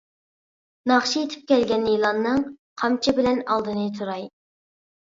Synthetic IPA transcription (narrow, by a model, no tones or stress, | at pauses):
nɑχʃijet̪ʰɪ̥p̚kʲʰɛlɡʲɛnjilˠɑnːɨŋqʰɑmt͡ʃʰɪbɪlɛnɑlˠd̪ɨnɨt̪ʰuɾɑj